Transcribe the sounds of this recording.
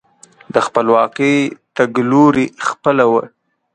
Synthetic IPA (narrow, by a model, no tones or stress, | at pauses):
d̪əxpəlwɑqəjt̪aɡloɾixpəlawə